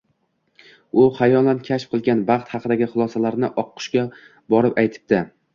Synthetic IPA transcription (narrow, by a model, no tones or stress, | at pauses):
ʊχajɒlˠankʲʰaʃp̚qʰɨlˠɡʲanbɑχt̪hɑqʰɨd̪aɡʲɪχʊlˠɒsalaɾnɪʔɒqːʊ̥ʃkʲa | bɒɾɪpajt̪ʰɪ̥p̚d̪ɪ